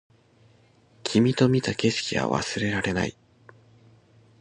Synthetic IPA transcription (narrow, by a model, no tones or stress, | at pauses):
kʲʰimʲit̪o̞mʲit̪ake̞ɕi̥kʲiβa̰βa̰sɨɾe̞ɾaɾe̞na̰ḭ